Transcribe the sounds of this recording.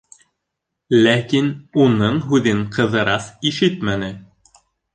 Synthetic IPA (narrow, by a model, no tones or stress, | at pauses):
lækinunɤɴɦʉðɘɴqʰɤ̆ðɤ̆ɾɑsiʃɘt̪mænɘ